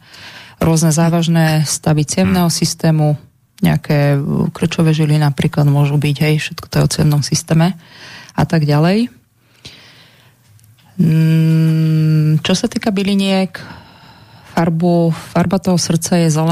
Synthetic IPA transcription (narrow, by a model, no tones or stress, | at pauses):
ɾʊɔznɛzaːʋaʒnɛst̪aʋit͡sɪɛmnɛɦɔsist̪ɛːmu | ɲɛ̰a̰kʰɛːkr̩t͡ʃɔʋɛʒilinapɾiːklad̪mʊɔʒubiɟɦɛjfʃɛt̪kɔ̥t̪ɛɔt͡sɪɛ̰mnɔmsist̪ɛːmɛa̰t̪aɡɟalɛj | t͡ʃɔsat̪iːkabiliɲɪɛk | faɾbufaɾbat̪ɔɦɔsr̩t̪t͡sajɛzɛlɛ